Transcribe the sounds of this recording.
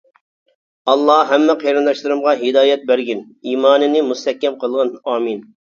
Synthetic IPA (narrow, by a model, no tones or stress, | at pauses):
ɑlˠːɑɦɛmːɛqʰejɾɨnd̪ɑʃlˠɨɾɨmʁɑɦɪd̪ɑːjɛt̪̚bæɾɡʲɪn | iːmɑːnɨnɪmust̪ʰɛhkʲːɛmqʰəlˠʁɑnɑːmin